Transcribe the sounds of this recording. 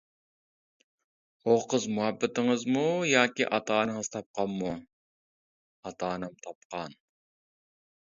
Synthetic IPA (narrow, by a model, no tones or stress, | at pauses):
oqəzmuɦɛbːɪt̪ɪŋəzmujɑːkʲḭʔɑt̪ʰɑːnɨŋɨzt̪ʰɑp̚qʰɑmːu | ɑt̪ʰɑːnɛmt̪ʰɑp̚qʰɑn